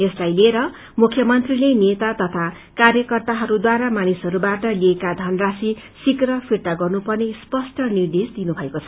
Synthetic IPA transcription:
eslajlieɾʌ | mukʰːjʌmʌnt̪rilenet̪at̪ʌt̪ʰa | karjʌkʌrt̪aɦʌɾud̪waɾamanisɦʌɾubaʈʌliekad̪ʱʌnrasi | sikrʌpʰirt̪aɡʌrnupʌrnespʌsʈʌnird̪esd̪inubʱʌekot͡sʰʌ

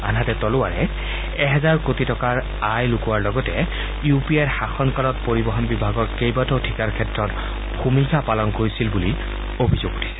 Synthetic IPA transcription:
anɦatɛtɔlʊwaɹɛ | ɛɦɛzaɹkotitɔkaɹ | ajlukuwaɹlɔɡɔtɛ | jupiɛɹxaxɔnkalɔt̚poɹibɔɦɔnbibʱaɡɔɹkejbatɔtʰikaɹkʰɛtɹɔt | xumikʰapalɔnkoɹisilbuli | obʱizoɡu̥tʰi̥sɛ̥

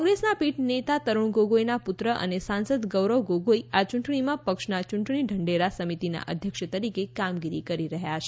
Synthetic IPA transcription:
ŋɡɾesnapiʈnet̪at̪əɾuɽ̃ɡoɡojnaput̪ɾəʔə̰nesãnsəd̪ɡəʋɾəʋɡoɡoiat͡ʃʊɳʈɳimãpəkʃnat͡ʃʊɳʈɳiɖʱəɳɖeɾasəmit̪ina̰ʔə̰d̪ʱjəkʃət̪əɾikekamɡiɾikəɾiɾəɦjat͡ʃʰe

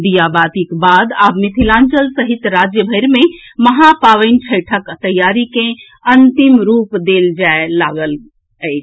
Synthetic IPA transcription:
d̪ijabat̪ikbad̪abmit̪ʰilãnt͡ʃəlsəɦit̪ɾad͡ʒjəbʱəɪɾme | məɦapaʋəɪnt͡ʃʰəɪʈʰəkt̪əjːaɾikẽ | ənt̪imɾupd̪eld͡ʒaelaɡəl | əɪt͡ʃʰ

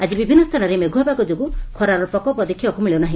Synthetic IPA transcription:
ad͡ʒibibʱinːɔst̪ʰanɔɾemeɡʱuɦabakɔd͡ʒoɡukʰɔɾaɾɔpɔkɔpɔd̪ekʰibakumiɭenaɦĩ

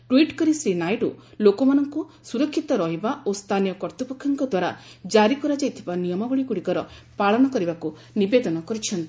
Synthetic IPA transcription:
ʈwiʈkɔɾisenajɖulokɔmanɔŋkusuɾɔkʰːit̪ɔɾɔɦibaost̪ʰanijɔkɔɾt̪upɔkʰːjɔŋkɔd̪waɾa̰d͡ʒaɾikɔɾad͡ʒajt̪ʰibanijɔmɔbɔɭikuɽikɔɾɔpaɭɔnɔkɔɾibaku | nibed̪ɔnɔkɔɾit͡ʃʰɔnt̪i

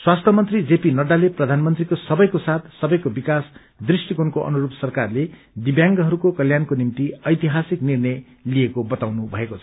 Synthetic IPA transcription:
swast̪ʰʌmʌnt̪rid͡zepinʌɖaleprʌd̪ʱanmʌnt̪rikosʌbʌjkosat̪ʰsʌbʌjkobikas | d̪risʈikonkoʔʌ̰nuɾupsʌrkarle | d̪ibjãŋɡʌɦʌɾukokʌljankonimt̪iʌjt̪iɦasiknirnʌj | lijekobʌt̪awnubʱʌekot͡sʰʌ̥

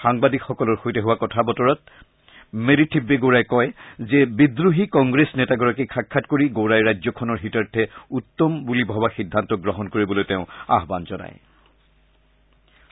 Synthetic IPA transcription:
xaŋbadikxɔkɔlɔɹxojtɛɦʊwakɔtʰabɔtɔɹɔt̚ | meɹitʰibːeɡoɹajkɔjzɛbidɹuɦikɔŋɡɹesnɛtaɡɔɹakikʰakʰːatkoɹiɡoɹajɹajzɔkʰɔnɔɹɦitaɹtʰɛutːɔmbulibʱɔbaxidʱːantɔɡɹɔɦɔnkoɹibɔlojtɛʊ̃a̰ɦbanzɔna̰j

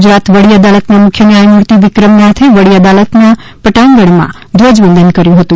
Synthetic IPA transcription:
d͡ʒɾat̪ʋəɽiəd̪alət̪namʊkʰjənjajmuɾt̪iʋɪkɾəmnat̪ʰiʋəɽiad̪alət̪na | pəʈãŋɡəɽ̃mã̰ | d̪ʋəd͡ʒbənd̪ʱənkəɾjũɦət̪ũ

